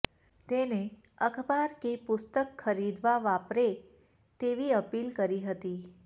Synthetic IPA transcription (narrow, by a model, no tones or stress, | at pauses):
t̪ene | əkʰbaɾkepʊst̪əkxʰəɾid̪ʋaʋapɾe | t̪eʋiəpilkəɾiɦət̪i